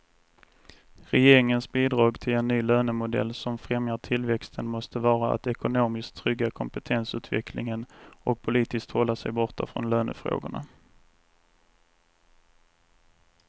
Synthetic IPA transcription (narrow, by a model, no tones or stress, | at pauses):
ɾɛjeːɾɪŋənsbiːd̪ɾɑːɡt̪ʰɪlɛnːyːløːnəmʊd̪ɛ̰lːsɔmfɾɛmjaʈʰɪlvɛkst̪ʰənmɔst̪əvɑːɾaa̰t̪ɛkʊnoːmɪskt̪ʰːɾʏɡːakʰɔmpət̪ʰɛnsʉ̟ːt̪vɛ̰kʰlɪ̰ŋənʔɔk̚pʰʊliːt̪ɪskt̪hɔlːasɛjbɔʈa̰fɾɔ̰nløːnə̰fɾo̰ːɡʊ̰ɳa̰